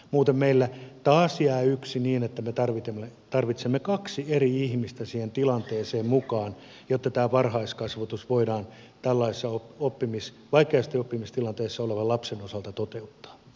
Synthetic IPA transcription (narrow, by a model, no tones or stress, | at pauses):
muːt̪emmeilːæt̪ɑːsjæːyksiniːnet̪ːæmet̪ɑrʋit̪emːet̪ɑrʋit̪semːekɑksieriihmist̪æsiːhent̪ilɑnt̪eːseːmmukɑːn | jot̪ːɑt̪æːʋɑrhɑiskɑsʋɑt̪usʋoidɑːn | t̪ælːɑissːɑoopːimis | ʋɑikːˑeɑst̪iopːimist̪ilɑnt̪eːsːɑoleʋɑlɑpsenosɑlt̪ɑt̪ot̪eut̪ːɑ̥ː